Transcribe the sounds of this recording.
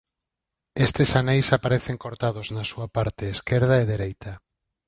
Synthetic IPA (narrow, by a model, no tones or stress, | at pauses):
est̪ɪsanejsapaɾeθeŋkoɾt̪að̞oznasuapaɾt̪ɪːskeɾðaeðeɾejt̪ʰɐ